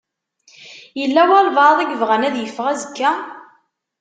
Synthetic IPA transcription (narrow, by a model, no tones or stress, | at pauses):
jəlːæwælˤvɑðˤæɡvʁænæðjəfːʁæzəkːæ